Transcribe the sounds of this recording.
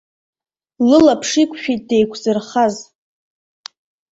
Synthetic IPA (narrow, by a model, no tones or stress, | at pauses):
lɨlapʰʂikʷʰʃᶣit̚de̞jkʷʰzɨrχaz